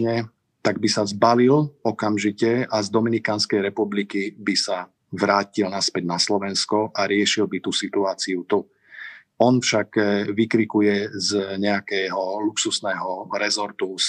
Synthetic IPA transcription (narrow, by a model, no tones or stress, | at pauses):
ɛ | t̪aɡ̚bisazbalilɔkamʒicɛazd̪ɔminikaːnskɛjɾɛpublikibisa | ʋɾaːcilnaspɛɟnaslɔʋɛnskɔʔaɾɪɛʃilbit̪usit̪uaːt͡siut̪u | ɔnfʃaɡʋikɾikujɛzɲɛakɛɦɔluksusnɛːɦɔɾɛzɔɾt̪us